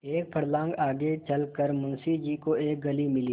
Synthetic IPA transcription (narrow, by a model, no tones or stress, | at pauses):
eːk̚pʰɐɽlãːŋɡaːɡet͡ʃɐlkəɾmʊnsid͡ʒiːkoeːk̚ɡɐlimɪliː